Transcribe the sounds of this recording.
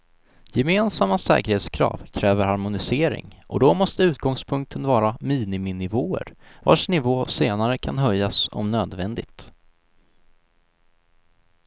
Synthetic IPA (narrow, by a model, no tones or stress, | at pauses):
jɛmeːnsamːasɛ̰ːkəɾheːt̪skʰɾɑ̰ːvkʰɾɛːvəɾhaɾmʊnɪseːɾɪ̰ŋʔɔ̰d̪ɔmɔst̪əʉ̟ːt̪̚ɡɔŋspʰɵŋk̚t̪ʰənvɑːɾamiːnɪmɪnɪvoːə̰ɾva̰ʂnɪvoːseːnaɾəkʰanɦœjːasɔ̰mnøːd̪vɛnd̪ɪt̪